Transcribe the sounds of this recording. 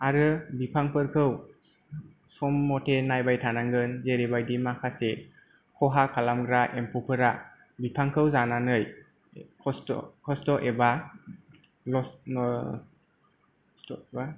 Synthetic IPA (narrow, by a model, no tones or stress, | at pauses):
aɾɯbipʰaŋpɯɾkʰɯw | sɔmːɔtʰenajbajtʰanaŋɡɯnzeɾebajdimakʰase | kʰɔɦakʰalamɡɾaʔempʰupʰɯɾa | bipʰaŋkʰɯwzananɯj | kʰɔskʰɔstɔʔeba | lɔ | ba